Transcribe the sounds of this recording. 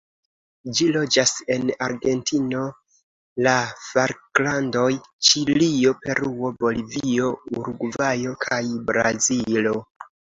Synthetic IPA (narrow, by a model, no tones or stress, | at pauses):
d͡ʒilo̞d͡ʒase̞naɾɡe̞ntʰino̞ | lafaɾklando̞jt͡ʃilio̞pe̞ɾuo̞bo̞livio̞uɾuɡvajo̞kʰajbɾa̰zilo̞